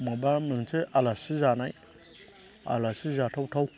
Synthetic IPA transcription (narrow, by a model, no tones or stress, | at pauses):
mabamɨŋt͡seʔalasizanaj | a̰lasizatʰawtʰaw